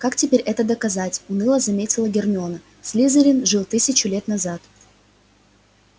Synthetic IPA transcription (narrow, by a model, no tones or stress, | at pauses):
kaktʲɪpʲeɾʲʔɛt̪əd̪əkɐzatʲʊnɨlˠəzɐmʲetʲɪlˠəɡʲɪrmʲɪonə | sʲlʲizəɾʲɪnʐɨlˠt̪ɨsʲɪt͡ɕʊlʲe̞t̪nɐzat̪